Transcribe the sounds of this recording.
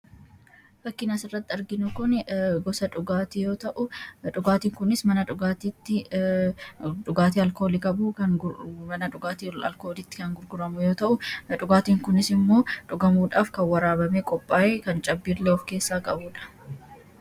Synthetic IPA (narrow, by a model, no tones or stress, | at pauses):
fɐkːɪnɐsɪrːɐt̪ːɪɐɾɡɪnʊkʊnɛɡɔsɐᶑʊɡaːt̪ɪjo̞ːt̪ɐʔʊᶑʊɡaːt̪iːŋkʊnɪsmɐnɐᶑʊɡaːt̪iːt̪ːɪ | ᶑʊɡaːt̪iːɐlko̞ːlɪkʼɐbuːkɐmɐnɐᶑʊɡaːt̪iɐ̰lkoːlɪt̪ːɪ̥kɐŋɡʊɾɡʊɾɐmʊjo̞ːt̪ɐʔʊᶑʊɡaːt̪iːŋkʊnɪsɪmːo̞ːᶑʊɡɐmuːᶑaːfkɐwɐɾaːbɐmeːkʼɔpʼːaːjeːkɐnt͡ʃʼɐbːiːɾleɔfke̞ːsːaːkʼɐbuːᶑɐ̥